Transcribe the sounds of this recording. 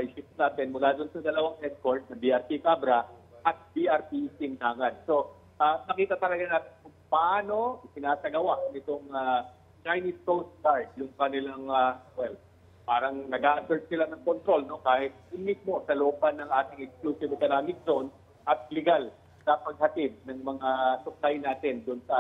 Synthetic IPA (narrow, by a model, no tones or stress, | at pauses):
ajsɪp̚naːt̪ɪnmʊlaːd̪onsɐd̪ɐlɐwaŋʔɛskoɹt̪̚sɐbiʔɐɾpikaːbɾɐʔɐt̪̚biʔɐɹpit̪ɪnd̪aːŋɐnso̞ | ʔanɐkiːt̪ɐt̪ɐlɐɡanaːt̪ɪnkʊŋpɐʔaːno̞ʔɪsɪnaːsɐɡɐwaʔnɪt̪oŋa | t͡ʃajnɪskows̚kaɹd̪̚jʊŋkɐnɪlaŋawɛl | paːɾɐŋnɐɡaːʔɐt̪ɛsɪlanɐŋkont̪ɾo̞lno̞kaːhɪt̪̚ɪmɪsmo̞sɐloopɐnːɐŋʔaːt̪ɪŋɛkskluːsɪvɪkɐɾaːmɪk̚d͡ʒon | ʔɐt̪̚lɛɡal | sɐpɐɡ̚hɐt̪ɪd̪̚nɐŋmɐŋasʊk̚lajnaːt̪ɪnd̪ʊnsɐ